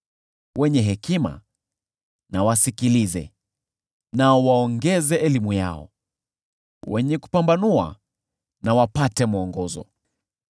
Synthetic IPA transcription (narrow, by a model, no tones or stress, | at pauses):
wʔɛɲɛɦɛkima̰ | nawasikilizɛ̰ | naɔwaɔŋɡɛzɛɛlimuja̰ɔ̰ | wɛɲɛku̥pambanua̰ | nawapatɛmuɔŋɡɔzɔ̰